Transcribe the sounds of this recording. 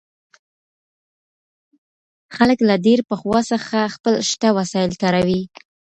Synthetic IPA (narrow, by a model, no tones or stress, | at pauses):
xaləklaɖeɾpəxwɑsəxaxpəlʃt̪awasɑjɪlt̪aɾawi